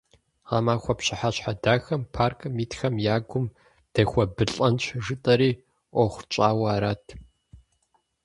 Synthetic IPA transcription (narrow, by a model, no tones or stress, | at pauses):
aːmaːxʷɐpɕɪħaɕħadaːxɐmpʰaːrkʰɨmiːtxɐmjaːɡʷʊm | d̥ɐxʷɔbɨɬʼɐnt͡ɕʷʼʰʒɨtʼɐɾiː | ʔʷɔχʷt͡ʃʼaːwaːɾaːtʰ